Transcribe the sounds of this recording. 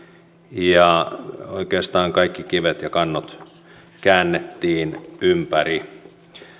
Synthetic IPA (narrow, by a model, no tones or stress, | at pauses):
jɑoikeːst̪ɑːŋkɑikːikiʋet̪jɑkɑnːot̪ | kæːnːet̪ːiːnympæri